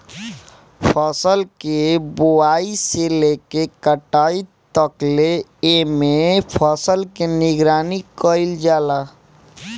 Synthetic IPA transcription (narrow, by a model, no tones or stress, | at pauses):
pʰəsəlkeboaːiselekekəʈaːit̪əkleemepʰəsəlkenɪɡɾaːnikəɪld͡ʒaːla